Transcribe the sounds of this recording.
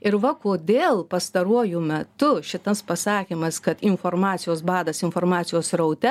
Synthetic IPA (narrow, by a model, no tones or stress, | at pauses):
ɪɾʋɐkoːd̪ʲeːlˠpɐst̪ɐɾuɔjʊmʲɛtt̪ʊʃʲɪt̪ɐspɐsɑːkʲimɐskɐt̪ɪnfoːrmɑːt̪sʲɪjoːsbɑːd̪ɐsɪnfoːrmɑːt̪ʲɪjoːsɾɐʊt̪ʲɛ